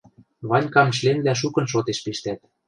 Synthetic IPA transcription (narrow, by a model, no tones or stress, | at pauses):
βɑnʲkɑmʃ̬lemblæʃ̬ukɤ̆nʃ̬ot̪eʃpeʃt̪æt̪̚